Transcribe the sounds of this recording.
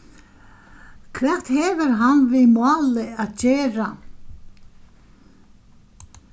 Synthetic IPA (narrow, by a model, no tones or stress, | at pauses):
kʰvɛr̥t̪hɛːvɪɾɦanvɪmɑːlɪat̪t͡ɕeːɾa